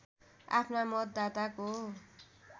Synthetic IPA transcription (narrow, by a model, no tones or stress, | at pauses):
a̰pʰnamʌt̪̚d̪at̪ako